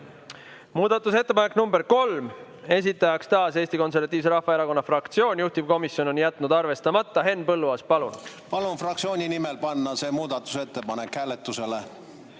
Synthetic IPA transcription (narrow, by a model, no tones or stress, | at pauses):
muːd̪̥ɑt̪ːˑus̬e̞t̪ːe̞pɑnekːˑnumbeɾko̞lm | e̞s̬it̪ːˑɑjɑkst̪ɑːse̞ːst̪iko̞ns̬e̞rvɑt̪iːvse̞ɾɑhfɑeɾɑko̞nːɑfrɑkt̪sio̞ːnʲjuht̪iv̥ko̞misjo̞no̞njæt̪ːˑnud̪ɑrve̞st̪ɑmɑt̪ˑːɑɦe̞nːpɤlːuɑːspɑlun | pɑlunfrɑk̚tsio̞ːnʲinimelpɑnːɑse̞ːmuːd̪̥ɑt̪ːˑu̥se̞t̪ːe̞pɑnekhæːlet̪ːˑuse̞le